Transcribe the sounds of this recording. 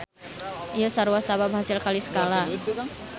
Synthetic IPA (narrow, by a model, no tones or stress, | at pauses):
ijosaɾuwasababɦasɪlkalisə̥kala